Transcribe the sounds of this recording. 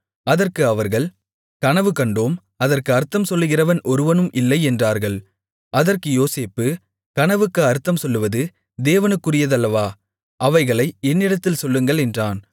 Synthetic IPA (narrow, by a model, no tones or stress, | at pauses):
ɐðɐrkɯɐʋɐɾɣɐɭ | kɐnɐʋɯkɐɳɖoːm | ɐðɐrkɯɐɾt̪ːɐmsɔlːɯɣɪrɐʋɐnʔɔɾɯʋɐnɯmʔɪlːɐɪɛndraːɾɣɐɭ | ʔɐðɐrkɯjoːseːpːɯ | kɐnɐʋɯkːɯɐɾɯt̪ːɐmsɔlːɯʋɐðɯ | d̪eːʋɐnɯkːɯrɪjɐðɐlːɐʋaː | ʔɐʋɐɪɣɐɭɐɪɛnːɪɽɐt̪ːɪlsɔlːɯŋɡɐɭɛndraːn